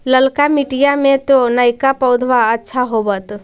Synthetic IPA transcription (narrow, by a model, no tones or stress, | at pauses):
ləlkamiʈijamẽt̪onajkapəʊd̪ʱʋaətːʃʰaɦobət̪